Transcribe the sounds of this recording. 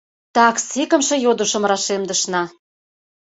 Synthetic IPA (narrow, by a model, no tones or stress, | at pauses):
t̪ɑksikə̆mʃɤ̆jod̪uʃə̆mrɑʃemd̪ə̆ʃnɑ